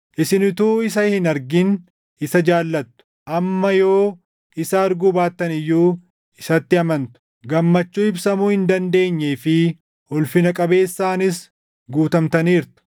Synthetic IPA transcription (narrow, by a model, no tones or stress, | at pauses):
ʔɪsɪnɪt̪uːɪs̬ɐhɪnɐɾɡɪn | ɪsɐd͡ʒaːlːɐt̪ːʊ̥ʔɐmːɐjo̞ː | ɪsɐɐɾɡubaːt̪ːɐnɪjːuː | ɪsɐt̪ːɪɐmɐnt̪ʊ̥ | ɡɐmːɐt͡ʃːuːɪbsɐmuːhɪnd̪ɐnd̪e̞ːɲːeːfɪ | ʔɔlfɪnɐkʼɐbe̞ːsːaːnɪs | ɡuːt̪ɐmt̪ɐniːɾt̪ʊ̥